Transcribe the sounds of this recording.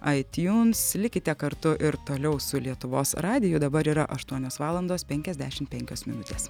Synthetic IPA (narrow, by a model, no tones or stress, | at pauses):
ɐɪt̪ʲjuːnslʲɪkʲɪt̪ʲɛkɐɾt̪ʊʔɪɾt̪oːlʲɛʊsʊlʲiɛt̪ʊʋoːsɾɑːd̪ʲɪjʊd̪ɐbɐɾiːɾɐʔɐʃt̪uɔnʲoːsʋɑːlˠɐnd̪oːspʲɛŋʲkʲɛzd̪ʲæːʃʲɪmt̪̚pʲɛŋʲkʲoːsmʲɪ̰nʊt̪ʲeːs